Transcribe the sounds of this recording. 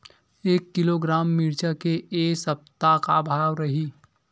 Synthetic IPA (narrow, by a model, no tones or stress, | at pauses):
eːkːɪloɡɾaːmːɪɾt͡ʃakeːsəp̚t̪akabʱaːʋɾəɦi